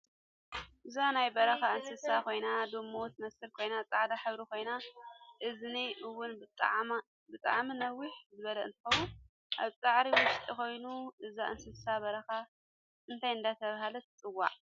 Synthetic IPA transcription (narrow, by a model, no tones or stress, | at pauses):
ʔɨzanajbɐɾɐxaɨnsɨsakʰo̞jnad̪omːowt̪mɐsɨɾkʰo̞jnat͡sʼaʕd̪aħɨβɾikʰo̞jnaʔɨzniʔɨwːʊnb̪ʼ | bɨt̪ʼa̰ʕminɐwːiħzɨβɐlɐʔɨ̰nt̪ʰɨ̥xɐwun | ʔaβt͡sʼaʕɾiwʊʃt̪ʼiko̞jnuʔɨzaʔɨnsɨsabɐɾɐxa | ʔɨnt̪ʰajɨnd̪at̪ʰɐβahalɐt̪ʰɨt͡sʼɨwa̰ʕ